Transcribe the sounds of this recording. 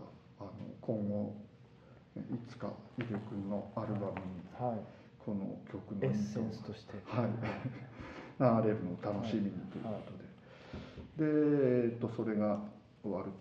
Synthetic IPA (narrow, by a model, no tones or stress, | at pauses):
ano̞̰kʰõ̞ŋɡo̞ | it͡sɨ̥ka̰iɾekɯ̟nːo̞aɾɯ̟bamɯ̟ɲ̟i | kʰo̞no̞̰kʲo̞kɯ̟nẽst̪oɕi̥t̪ehai | naɾe̞ɾɯ̟not̪ano̞ɕimʲiɲ̟it̪o̞jɯ̰ko̞t̪o̞d̪e̞ | d̪e̞ːt̪ːo̞so̞ɾe̞ɡa | βaɾɯ̟